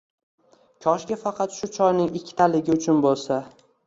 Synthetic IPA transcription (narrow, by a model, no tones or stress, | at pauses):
kʲʰɒʃɡʲafɑqʰɑt̪ʃʊt͡ʃʰɒjnɪŋɪkʲʰːɪ̥t̪ʰalɪɡʲɪʊt͡ʃʰʊnbolˠsa